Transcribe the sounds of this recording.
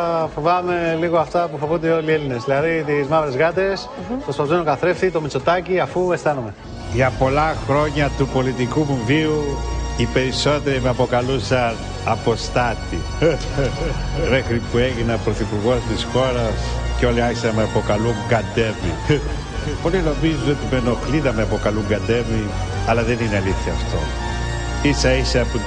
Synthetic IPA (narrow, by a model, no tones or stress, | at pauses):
fovɐme̞liɣoɐft̪ɐpufovund̪eo̞lielinezðilɐðit̪izmɐvɾezɣɐt̪e̞s | pɾospɐzmenukɐθɾefθit̪omit͡so̞t̪ɐciɐfuest̪ɐnume̞ | ʝɐpo̞lɐxɾo̞ɲɐt̪upo̞lit̪ikumuviuipe̞ɾiso̞t̪e̞ɾimeɐpo̞kɐlusɐn | ɐpo̞st̪ɐt̪i | me̞xɾipueʝinɐpɾoθipuɾɣo̞st̪isxo̞ɾɐsceo̞liɐçisɐnmeɐpo̞kɐluŋɡɐnd̪e̞vi | polino̞mizuot̪ime̞no̞xliðɐmeɐpo̞kɐluŋɡɐnd̪evi | ɐlɐðe̞nineɐliθçɐːft̪o̞ | isɐisɐpu